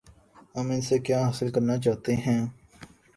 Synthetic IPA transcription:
ɦɐmɪnsekjaːɦaːsɪlkəɾnat͡ʃaːt̪eɦɛ̃ː

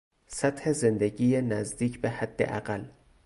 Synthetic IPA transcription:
sæt̪hezend̪eɟiːjenæzd̪iːcʰbehæd̪̥ːḛʔæɣæl

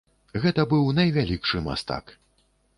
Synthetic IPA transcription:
ɣɛt̪ɐbɨwnɐjvʲalʲikʂɨma̰st̪a̰k

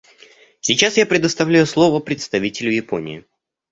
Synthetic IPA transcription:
sʲit͡ɕasjapɾʲɪd̪əst̪ɐvlʲæjʊslˠo̞vəpɾʲɪt̪st̪ɐvʲitʲɪlʲʊjɪpo̞̰nʲɪ̰ɪ

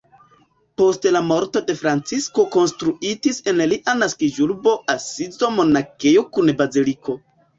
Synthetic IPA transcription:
po̞stlamo̞ɾto̞de̞fɾant͡sisko̞ko̞nstɾuitise̞nliʔanaskid͡ʒuɾbo̞ʔasizo̞mo̞nakejo̞kunbaziliko̞

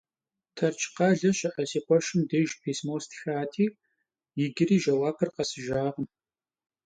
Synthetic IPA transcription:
tʰɐrt͡ʃʰʼqɑːɮɐɕɐʔɐsiːqʷɔʃɪmdeːʒpʰeːsmoːstʰxaːtʰiː | jɪɡʲɪriːʒɐwaːpʰɐrqɐsɨʒaːʁəm

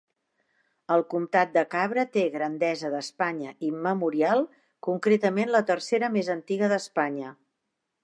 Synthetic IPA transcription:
əlˠkumt̪at̪̚d̪əkaβɾət̪eɣɾənd̪ɛzəðəspaɲəʔiməmuɾialˠ | kuŋkɾet̪əmenlət̪ərseɾəmezənt̪iɣəðəspaɲə

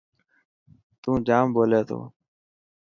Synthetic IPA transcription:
t̪ũːd͡ʒaːmboːleːt̪ʰo̰ː

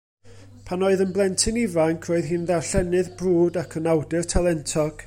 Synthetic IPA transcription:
pʰanoːɨðənblˠɛntʰɨnivankʰroːɨðɦɨːnðarɬɛnɨðbruːdakʰənawdɨrtʰalˠɛntʰɔɡ̥

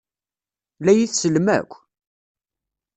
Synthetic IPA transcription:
læjiθsəlmæ̰kʷː

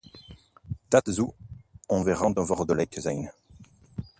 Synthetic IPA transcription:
t̪at̪zuɔ̃veʁɑ̃d̪ɑ̃vɔʁd̪ɔlɛkzɛ̰jn

